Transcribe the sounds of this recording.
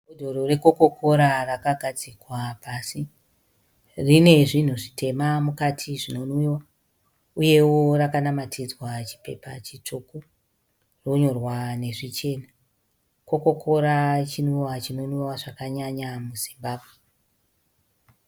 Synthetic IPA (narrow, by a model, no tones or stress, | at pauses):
odʱo̞ɾore̞ko̞ko̞ko̞ɾarakaɡʱad͡zikwapasi | rine̞ʐin̤uʐitʰe̞mamukatʰiʐino̞nuwa | uje̞worakanamatʰid͡zwat͡ʃi̥pe̞̰pa̰t͡ʃit͡ʂuku | ro̞ɲo̞rwane̞ʐit͡ʃe̞na | ko̞ko̞kʰo̞ɾat͡ʃinuwat͡ʃino̞nuwaʐakaɲaɲamuzimbaːbʱwe